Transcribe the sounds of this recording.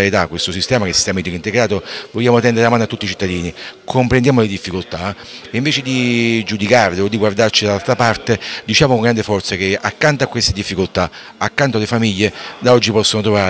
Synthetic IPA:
aɾit̪akːwest̪osist̪ɛːmakest̪jaːmoit̪ilint̪eɡɾaːt̪ovoʎːaːmot̪ɛnd̪eɾamaːnoat̪ːut̪ːit͡ʃit̪ːad̪iːnikʰompɾend̪jaːmoled̪ifːikolt̪a | iɱveːt͡ʃed̪id͡ʒud̪ikarleod̪ːiɡward̪art͡ʃid̪alalt̪ɾapart̪ed̪it͡ʃaːmokoŋɡɾand̪efɔrt̪sakeakːant̪oakːwest̪ed̪ifːikolt̪a | akːant̪oalefamiʎːed̪aɔd͡ʒːipɔsːonot̪ɾova

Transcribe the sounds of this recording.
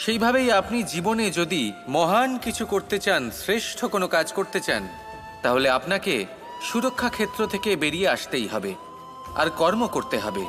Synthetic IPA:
ʃejbʱabejapnid͡ʑiboned͡ʑod̪imɔɦankit͡ɕʰukoɾt̪et͡ɕansɾeʃʈʰokonokad͡ʑkoɾt̪et͡ɕan | t̪aɦoleapnake | ʃuɾokʰːakʰet̪ːɾot̪ʰekebeɾieaʃt̪ejɦɔbe | a̰ɾkɔɾmokoɾt̪eɦɔbe

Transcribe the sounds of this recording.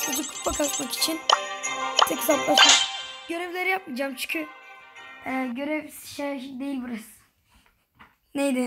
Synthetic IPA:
uzukʰu̥t̪bakʰat̪maki̥t͡ʃʰin | t̪ʰpʰisat̪lˠat͡ʃakɟ̥ø̞ɾevlʲeɾijap̚mid͡ʒamt͡ʃʰy̥cʰy | ɛɟøɾɛvsʃed̪ejilʲbiɾɯs | nejd̪ɛ

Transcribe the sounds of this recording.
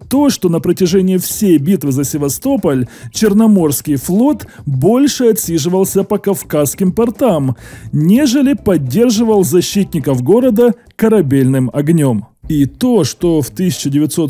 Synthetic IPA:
t̪o̞ʂt̪o̞nəpɾətʲɪʐɛnʲɪjɪfsʲejbʲit̪vɨzəsʲɪvɐst̪o̞pəlʲt͡ɕɪrnɐmo̞rskʲɪjflˠo̞t̪bo̞lʲʂɨɐt̪ʲsʲiʐɨvəlˠsʲəpəkɐfkaskʲɪmpɐrt̪amnʲe̞ʐɨlʲɪpɐdʲːe̞rʐɨvəlˠzɐɕːit̪̚ʲnʲɪkəfɡo̞ɾəd̪ə | kəɾɐbʲelʲnɨmɐɡnʲomit̪o̞ʂt̪o̞ft̪ɨsʲɪ̥t͡ɕːɪdʲɪvʲɪt̪so̞t̪

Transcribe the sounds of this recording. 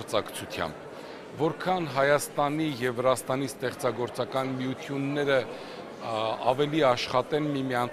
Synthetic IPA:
ɾt͡sɑkt͡sʰut̪ʰjɑ̰mb | vɔɾkʰɑnɦɑjɑst̪ɑnijɛvːəɾɑst̪ɑnist̪ɛχt͡sɑɡɔɾt͡sɑkɑnmijut̪ʰjunːɛɾə | ɑvɛliɑʃχɑt̪ɛnmimiɑn

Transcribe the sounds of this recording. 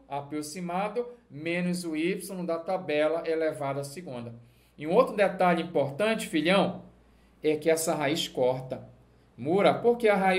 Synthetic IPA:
apɾosimad̪ʊmẽnʊzʊipsõd̪ɐt̪abɛlɐʔelevad̪ɐːsiɡũnd̪ɐ | ɪũowt̪ɾʊd̪et̪aʎʊĩpoɾt̪ɐ̃t͡ʃɪ̥fiʎiɐ̃w̃ | ɛkɪɛsɐɦaiʃkɔɾt̪ɐ | muɾɐpoɾkeɐɦa

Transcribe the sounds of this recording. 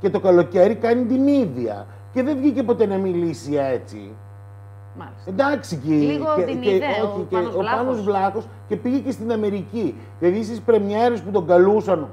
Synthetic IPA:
ce̞t̪o̞kɐlo̞ce̞ɾikɐnit̪iniðiɐ̰ | ce̞ðe̞vʝice̞po̞t̪e̞nɐmilisie̞t͡sḭ | end̪ɐksicieeoçieopɐnozvlɐxo̞s | ce̞piʝe̞ce̞st̪inɐme̞ɾici | kiɐðist̪ispɾe̞mɲe̞ɾe̞sput̪o̞ɡɐlusɐn

